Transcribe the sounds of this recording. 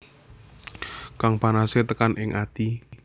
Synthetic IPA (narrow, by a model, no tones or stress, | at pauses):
kaŋpanaset̪əkanʔɪŋʔat̪i